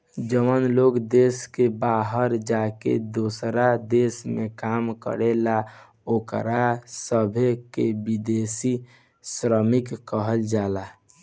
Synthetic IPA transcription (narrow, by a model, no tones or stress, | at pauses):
d͡ʒəʋənloːɡd̪eːskebaːɦəɾd͡ʒakḛd̪osɾad̪esmẽkaːmkə̰ɾela | oːkɾasəbʱekebid̪esi | sɾəmɪkːəɦəld͡ʒala